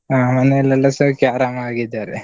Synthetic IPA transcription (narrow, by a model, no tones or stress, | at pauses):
aːmɐneɛlːɐlːɐsɐkjaːɾaːmɐaːɡid̪aːɾe